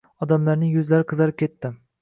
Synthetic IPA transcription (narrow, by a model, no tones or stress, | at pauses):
ɒd̪amlaɾnɪjɵzlaɾɪqʰɨzɑɾɪp̚kʲe̞t̪ːɪ